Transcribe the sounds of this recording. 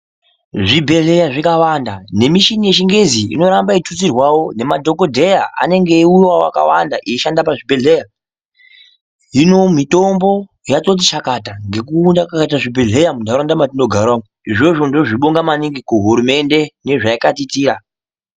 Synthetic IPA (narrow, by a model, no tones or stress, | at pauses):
ʐibʱe̞ɮe̞jaʐikawandane̞miʃinije̞t͡ʃiŋɡe̞ziḭno̞ɾambaitut͡sirwawo̞ne̞madʱo̞ko̞dʱe̞jaʔa̰ne̞ŋɡe̞urwaa̰ka̰wandaʔiiʃandapaʐibʱe̞ɮe̞ja | ɦino̞mito̞mbo̞ | jatot̬it͡ʃakataŋɡe̞kuːndakakat̬aʐibʱe̞ɮe̞jamudʱaɾondamatino̞ɡʱarwau | iʐo̞ʐo̞ndo̞ʐiɓoŋɡamaniŋɡikuɦuɾume̞nde̞ne̞ʐaikatitiːɾa